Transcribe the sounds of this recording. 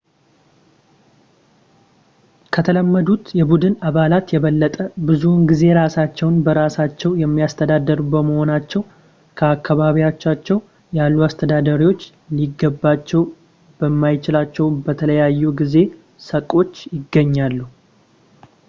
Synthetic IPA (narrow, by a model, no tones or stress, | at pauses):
kʰət̪ʰələmːəd̪ut̪jɛbud̪ɨnaβalat̪jɛβəlːət̪ʼəbɨzunɡize̞ɾasat͡ʃːɛwnbəɾasat͡ʃːɛwjɛmːijast̪ʰəd̪ad̪ːəɾubəməho̞nat͡ʃːɛw | kʰəakʰːaβaβijat͡ʃːat͡ʃːɛw | jalːuast̪ʰəd̪ad̪aɾiwo̞t͡ʃː | liɡːəbːat͡ʃːɛw | b̥əmːajt͡ʃɪlat͡ʃːɛwbət̪ʰələjajːuɡize̞ | səkʼo̞t͡ʃːjɪɡːəɲːalːu